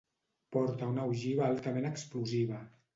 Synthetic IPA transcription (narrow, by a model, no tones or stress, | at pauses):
pɔɾt̪aunawʒiβaalˠt̪amenəkspluziβ̞a